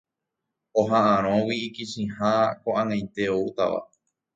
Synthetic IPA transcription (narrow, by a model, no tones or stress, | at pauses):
oɦãʔãɾ̃õwiːkiʃĩhakoʔãŋãjt̪e̞out̪a̰ʋa̰